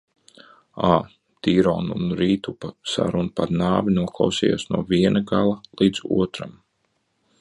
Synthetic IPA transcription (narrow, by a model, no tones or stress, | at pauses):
aː | t̪iːɾɔ̰ːnunɾiːt̪upasa̰ɾunupad̪naːvinuɔklˠawsɛja̰ːsnuɔviɛnaɡalˠɐlˠiːd̪z̥ṵɔt̪ɾam